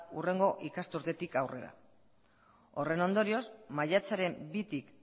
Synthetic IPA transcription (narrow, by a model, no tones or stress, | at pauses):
ure̞ŋɡo̞ʔikast̪uɾt̪e̞t̪ikawre̞̰ɾa̰ | o̞re̞no̞nd̪o̞ɾio̞smaʎat͡saɾe̞mbit̪ik